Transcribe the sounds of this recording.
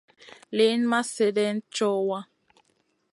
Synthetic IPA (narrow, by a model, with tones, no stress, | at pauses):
le˦nma˦se˨dɛ˦nt͡ʃɔ˦wa˦